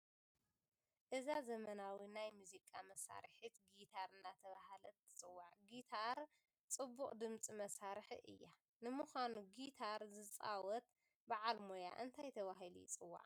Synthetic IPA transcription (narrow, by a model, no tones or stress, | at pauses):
ʔɨzazɐmɐnawinajmuzikʼamɐsa̰ɾħit̪ɡit̪ʰaɾɨnːat̪ʰɐβahalɐt̪ːɨ̥t͡sʼɨwːaʕɡit̪ʰaɾ | t͡sʼɨbːukʼd̪ɨmt͡sʼimɐsaɾħiʔɨ̰jːa | nɨmuxʷanuɡit̪ʰaɾzɨt͡sʼa̰wɔt̪ | baʕalmoja̰ʔɨnt̪ʰajt̪ʰɐβaɦilḭt͡sʼɨwːa̰ʕ